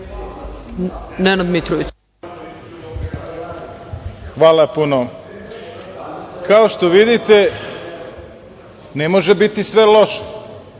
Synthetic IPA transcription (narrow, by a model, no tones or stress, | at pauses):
nenad̪mit̪ɾoʋit͡ɕ | xʋaːlapuno | kaoʃt̪o̞ʋid̪it̪e | nemoʒebit̪isʋeloʃe̥